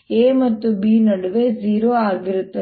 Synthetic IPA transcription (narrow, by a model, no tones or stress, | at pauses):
eːmɐt̪ːubiːnɐɽɯʋeziːɾoːaːɾʋɪɾɯt̪ːɐ